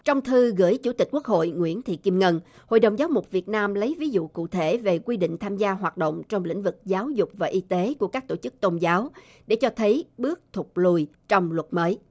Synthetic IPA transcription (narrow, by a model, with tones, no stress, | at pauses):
t͡ɕɔ˧wŋ͡mt̪ʰɨ˧ɣɨ̰˧˩əjt͡ɕṵ˧˩˥t̪i̟˨˩ku˦˥ək̚ho̰˧˨jŋwḭ˧˥ənt̪ʰḭ˧˨ki˧mŋə˧n | ho̰˧˨jɗə˨˩wŋ͡mzaː˨˦wmʊ˨˩k͡p̚vi˨˩ət̚naː˧mlə˨˦jvi˨˦zṵ˧˨kṵ˧˨t̪ʰe˧˩ve˨˩kwi˧ɗḭ̈˧˨ŋt̪ʰaː˧mzaː˧ɦwaː˨˩t̚ɗə̰˧˨wŋ͡mt͡ɕɔ˧wŋ͡mlḭ̈˧˥ŋ̟vɨ˨˩k̚zaː˨˦wzʊ˨˩k͡p̚vaː˨˩ʔi˧t̪e˨˦ku˧˩əkaː˦˥k̚t̪o˧˩t͡ɕɨ˦˥k̚t̪o˧nzaː˨˦w | ɗe˧˩t͡ɕɔ˧t̪ʰə˨˦jɓɨ˦˥ək̚t̪ʰʊ˨˩k͡p̚lu˧˩j | t͡ɕɔ˧wŋ͡mlwə˨˩t̚məː˨˦j